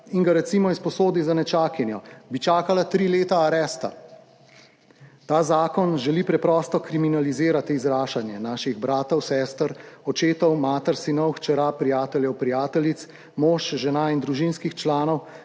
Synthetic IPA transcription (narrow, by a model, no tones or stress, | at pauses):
iŋɡaɾɛt̪simɔispɔsoːd̪izanɛt͡ʃaːkjɛnjɔbit͡ʃaːkalat̪ɾileːt̪aːɾɛːst̪a̰ | t̪aːzaːkɔnʒɛlipɾɛpɾɔst̪ɔkɾiminaliziːɾat̪iːzɾaːʃanjɛnaːʃiɣbɾaːt̪ɔwsɛːst̪əɾɔt͡ʃeːt̪ɔwmaːt̪ɛɾsinɔwxt͡ʃɛɾapɾijaːt̪ɛljɛwpɾijaːt̪ɛlit̪s | moːʃʒɛnaind̪ɾuʒinskixt͡ʃlaːnɔw